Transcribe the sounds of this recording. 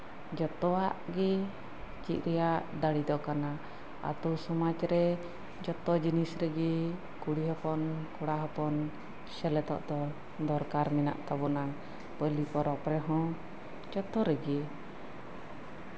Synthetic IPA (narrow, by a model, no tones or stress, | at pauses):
d͡ʒɔt̪ɔwaʔɡɛ | t͡ʃit̪̚ˀɾɛjaʔd̪aɽid̪ɔkana | a̰t̪usɔmat͡ʃɾɛ | d͡ʒɔt̪ɔd͡ʒinisɾɛɡi | kuɽiɦɔpɔnkuɽaɦɔpɔn | sɛlɛt̪ɔ̰ʔd̪ɔ | d̪ɔɾkaɾmina̰ʔt̪abɔna | pəlipɔɾɔpɾɛɦɔ̃ | d͡ʒɔt̪ɔɾɛɡi